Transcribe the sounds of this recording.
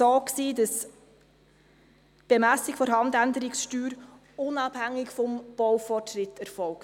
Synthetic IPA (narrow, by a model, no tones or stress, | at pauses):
oːksiːdɑs | b̥emæsːɪkfɔɾɦɑndændəɾɪksʃtyːɾ | ʊnɑb̥hæŋːɪkfɔmb̥ɔwfɔrtʃɾɪtɛɾfɔlk